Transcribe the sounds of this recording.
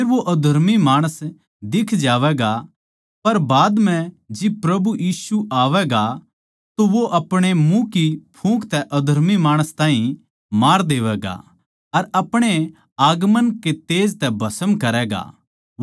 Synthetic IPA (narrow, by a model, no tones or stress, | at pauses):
eːɾʋoʔɐd̪ʱɐɾmimaːɽ̃əs | d̪ɪkʰd͡ʒaːʋɛːɡa | pɐɾbaːd̪m̤ɛ̃ | d͡ʒɪb̚pɾɐbujiːsuʔaːʋɛɡa | t̪oʋoʔɐpɽ̃emũkipʰũːkʰt̪ɛʔɐd̪ʱɐɾmimaːɽ̃əst̪ãːɦĩ | maːɾd̪eːʋɛːɡa̰ | ɐɾɐpɽ̃e | aːɡmənket̪eːd͡ʒt̪ɛbʱɐsəmkɐɾɛːɡa̰